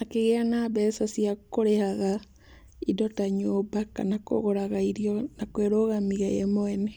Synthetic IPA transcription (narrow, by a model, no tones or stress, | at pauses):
nakeɣeanabɛsasiakoɾehaɣa | idotaɲobaka̰nako̰ɣoɾaɣaiɾiɔnakweɾoɣamiɣajemoene